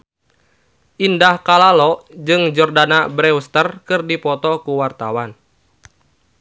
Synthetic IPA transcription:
ʔindahkalalɔʔd͡ʒɨŋd͡ʒɔrdanabɾɛust̪ərkɨrdipɔt̪ɔkuwart̪a̰wan

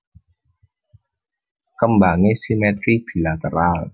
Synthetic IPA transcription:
kambaːŋesimɛt̪ɾik̚pʰilat̪aɾaːl

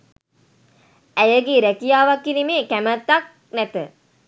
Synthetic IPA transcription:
æjəɡeɾækijaːʋakːinimeːkæmət̪ːak̚ | næt̪ə

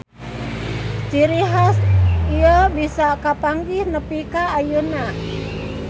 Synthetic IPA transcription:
t͡ʃiɾiɦasiəbisakapaŋɡihnəpikaːjuna

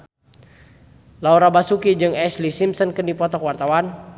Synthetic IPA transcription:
lauɾabasukid͡ʒɨŋɛslisimsɔnkənipɔt̪ɔkwart̪awan

